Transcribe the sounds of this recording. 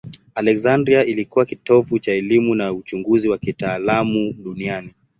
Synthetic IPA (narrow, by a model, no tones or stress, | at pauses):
alɛkzandɾiaʔilikuwakitɔvut͡ʃaɛlimunaut͡ʃuŋɡuziwakitaːlamuɗuniani